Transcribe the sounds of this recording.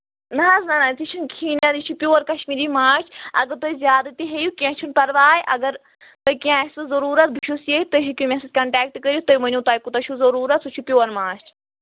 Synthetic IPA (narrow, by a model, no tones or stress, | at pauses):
nɐɦɐznɐnat̪it͡ʃʰunkʰiːnɐd̪it͡ʃʰupʲjoːɾkɐʃmiːɾimaːt͡ʃʰɐ̰ɡɐɾt̪oizʲjaːd̪ɐt̪iɦejukiãːt͡ʃʰunpɐɾʋaːjʔɐɡɐɾ | t̪ɐkiãsuzɐɾuːɾɐt̪̚bʱuʃʰusijet̪ɐʃikʲumesed͡ʒkɐɳʈɛːk̚ʈkəɾʲit̪ɐimɐnʲũt̪aːjkut̪ɐt͡ʃʰuzɐɾuːɾɐt̪sut͡ʃʰupʲjoːɐɾmãːt͡ʃʰ